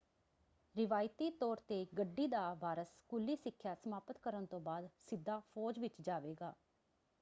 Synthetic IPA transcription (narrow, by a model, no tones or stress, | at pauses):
ɾɪʋaːjt̪iːt̪ɔːɾt̪eːɡəɖːiːd̪aːʋaːɾəskuːlːiːsɪkʰːjaːsəmaːpət̪kəɾənt̪õːbaːd̪sɪd̪ːaːpʰɔːd͡ʒʋɪt͡ʃd͡ʒaːʋeːɡaː